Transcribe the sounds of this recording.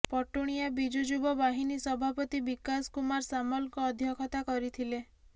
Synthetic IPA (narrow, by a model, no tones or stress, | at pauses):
pɔʈuɽ̃ijabid͡ʒud͡ʒubɔbaɦinisɔbʱapɔt̪ibikaskumaɾsamɔlkɔːd̪ʱjɔkʰɔt̪akɔɾit̪ʰile